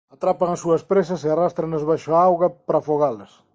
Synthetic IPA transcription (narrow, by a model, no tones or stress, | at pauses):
at̪ɾapɐŋɐsuɐspɾes̬ɐsearast̪ɾɐŋɐzβajʃoaawɣɐpɾafoɣalɐs